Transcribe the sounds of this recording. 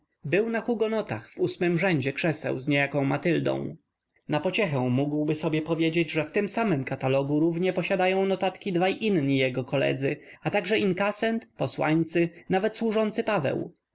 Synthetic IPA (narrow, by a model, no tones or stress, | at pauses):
bɘwnaxuɡɔnɔt̪a̰xvusmɘmʐɛɲd͡ʑɛkʂɛsɛ̰wzɲejakɔ̃w̃mat̪ɘld̪ɔ̰̃w̃ | napɔt͡ɕɛxɛ̃w̃muɡwbɘsɔbʲjɛpɔvʲjed͡ʑed͡ʑʐɛft̪ɘmsamɘmkat̪alɔɡuɾuvɲɛpɔɕad̪ajɔ̃w̃nɔt̪at̪kʲid̪vajʔinɲijɛɡɔkɔlɛ̰d̪zɘat̪aɡʐɛʔimkasɛnt̪pɔswaɲt̪sɘnavɛt̪swuʐɔnt̪sɘpavɛ̰w